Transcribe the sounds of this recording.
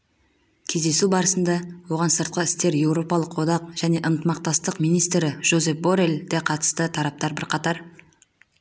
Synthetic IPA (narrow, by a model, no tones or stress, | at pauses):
kʲʰe̞zd̪e̞subɑɾəsənd̪ɑwo̞ʁɑnsəɾt̪̚qəɪst̪e̞ɾje̞wɾo̞pɑlˠəqwo̞d̪ɑqʒ̥æne̞ʔənt̪əmɑq̚t̪ɑst̪əqmijnijst̪ɾɪʒ̥o̞ze̞pboɾeld̪eqʰɑt̪ə̥st̪ət̪ʰɑɾɑp̚t̪ɑɾbɪɾqʰɑt̪ɑɾ